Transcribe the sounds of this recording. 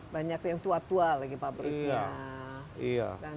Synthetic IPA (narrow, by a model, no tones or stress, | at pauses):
baɲakjaŋt̪uat̪ualaɡipabɾia | ia̰da